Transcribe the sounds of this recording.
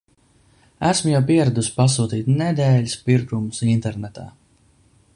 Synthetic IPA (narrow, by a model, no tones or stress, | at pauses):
æsmujawpiɛɾad̪usʲpasuːt̪iːt̪nɛd̪ɛːlispiɾkumusint̪ɛɾnɛt̪a̰ː